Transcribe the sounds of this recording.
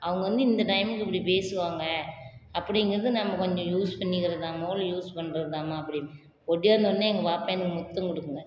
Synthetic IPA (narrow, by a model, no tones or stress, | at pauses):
ɐʋɐŋɡɐʋɐnd̪ɯɪnd̪ɐʈɐɪmɪkːɛpːɐɽipeːsɯʋaːŋɡɐɐpːɐɽɪŋɡɐɾɐðɯnɐmːɐkɔɲd͡ʒõjuːspɐɳːɪkːɪɾɐðaːmɐːlɐjuːspɐɳːɾɐðaːmaːɐpːɐɽɪ | ɔɽɪjaːɾnd̪ɐʋɐnːɯɛŋɡɐpaːpẽnɯkːɯmʊt̪ːɐmkɪɽɯkːɯŋɡɐ